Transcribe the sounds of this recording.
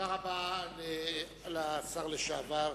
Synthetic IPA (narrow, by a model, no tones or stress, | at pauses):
aʁabale | alasaʁleʃaava